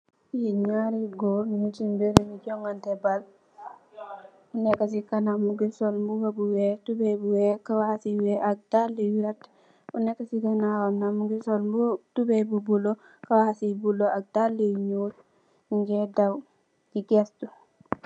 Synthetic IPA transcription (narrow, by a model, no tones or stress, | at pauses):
jiɲaɾiɡoɾmuɲut͡ʃimbeɾimiɟɔŋɡantɛbal | unɛkːasikanamuɡisɔlmbuwabuwɛtubebuwɛkawasiwɛaɡ̚daliwiɾat | unɛkːasikanawanamuɡisolmbutubebubulo | kawasibuloaɡ̚dalːiɲut | ŋɡɛdaw | d͡ʒiɡestu